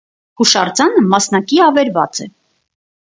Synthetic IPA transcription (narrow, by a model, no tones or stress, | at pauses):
huʃɑrd͡zɑnəmɑsnɑkiɑvɛɾvɑ̰t͡sɛ̰